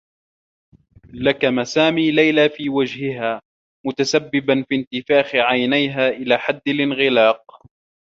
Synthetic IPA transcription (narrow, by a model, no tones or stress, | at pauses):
lakamasaːmiːlajlaːfiːwad͡ʒhɪɦaː | mʊt̪asabːɪbanfiːnt̪ɪfaːxɪʕajnajɦaːʔɪlaːħad̪ːɪlʔɪnɣɪlɑːq̚